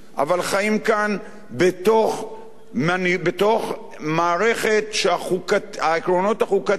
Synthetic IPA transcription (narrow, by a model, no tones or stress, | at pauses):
ʔa̰valχajimkan | betoχ | manibet̪o̞χ | maːʁe̞χe̞tʃeaχukaaekʁo̞no̞taχuka